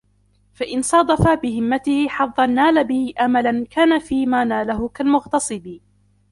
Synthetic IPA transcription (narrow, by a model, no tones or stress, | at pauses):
faʔɪnsˤɑːd̪ˤɑfabɪɦɪmːat̪ɪhɪħɑðˤːɑnːaːlabɪhɪʔamalankaːnafiːmaːnaːlaɦʊkalmʊɣt̪ɑsˤɨbɪ